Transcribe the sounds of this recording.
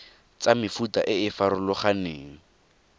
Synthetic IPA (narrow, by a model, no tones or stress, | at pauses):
t͡samɪfutaʔɪɪfaɾʊlɔχaneːŋ̩